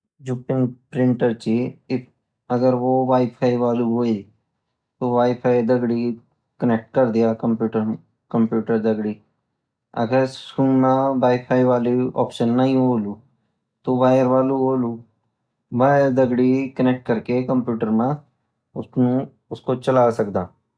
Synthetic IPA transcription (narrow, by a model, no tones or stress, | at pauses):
d͡ʒupɪ̃ŋpɾɪ̃ɳʈəɾt͡ʃiɪ | ɐɡəɾʋoʋaːɪpʰaːiʋaːluɦoːi | t̪oʋaːjpʰaːid̪əɡɽi | kənek̚ʈ̚kɐɾd̪ijaːkɐ̃mpjuːʈəɾ | kɐ̃mpjuːʈəɾd̪əɡɽi | ə̰ɡəɾskuːnmãbaːipʰaːiʋaːliɔ̰ːpʃənːəɦĩɦoːluː | t̪oʋaːjəɾʋaːluɦoːluː | baːjəɾd̪əɡɽikənɛk̚ʈ̚kəɾkekə̃mpjuːʈəɾmã | ʊnũ | ʊskot͡ʃəlaːsəkd̪aː